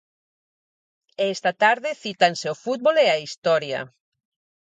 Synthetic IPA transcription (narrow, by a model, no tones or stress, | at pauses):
est̪at̪aɾðɪθit̪anseofut̪̚βoleaist̪ɔɾja̰